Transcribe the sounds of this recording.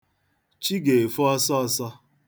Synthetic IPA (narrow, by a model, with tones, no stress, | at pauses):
t͡ʃi˦ɡe˨e˨fu˦ɔ˦sɔ˦sɔ˦